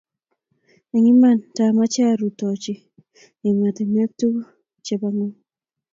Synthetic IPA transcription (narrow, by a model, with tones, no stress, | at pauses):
ɛ˨ŋi˦ma˦˨nta˨ma˦t͡ʃa˦˨ɾu˨tɔ˨t͡ʃi˨ | i˨ŋa˨te˨mɛ˦k̚tu˦ | t͡ʃe˦ba˦ŋɔ˦